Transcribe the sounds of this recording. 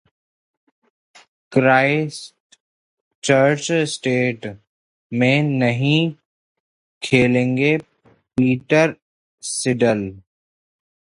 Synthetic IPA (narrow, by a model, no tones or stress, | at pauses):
kɾaːɪsʈ | t͡ʃəɾt͡ʃsʈeːʈ | mẽnɐɦĩ | kʰeːlẽːŋɡe | piːʈəɾ | sɪɖəl